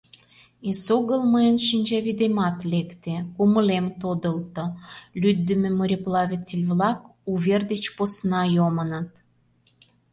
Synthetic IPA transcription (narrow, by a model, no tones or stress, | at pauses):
esoɣəlməənʃinʲd͡ʑɑβid̪emɑt̪lekt̪ekuməlemt̪od̪əlt̪olʲyd̪ːə̆mĕmoɾʲeplɑβʲet͡silʲβlɑkuβʲerd̪et͡ɕposnɑjomənɑt̪